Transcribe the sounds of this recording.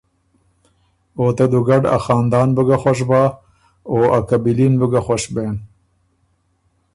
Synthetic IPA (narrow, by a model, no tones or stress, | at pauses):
ot̪ed̪uɡaɖa̰xɑːnd̪ɑːnbəɡaxwaʂ̬bɑ | oakabilinbəɡaxwaʃben